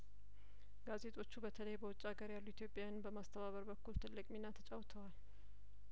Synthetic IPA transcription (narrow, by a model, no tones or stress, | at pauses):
ɡ̥aze̞t̪ʼʰo̞t͡ʃːubət̪ʰələjbəwɔt͡ʃʼːaɡəɾjalːuit̪ʰjo̞pʼjanbəmast̪ʰəβaβəɾbəkːult̪ʰɨlːɨkʼminːat̪ʰət͡ʃʼawt̪ʰəwal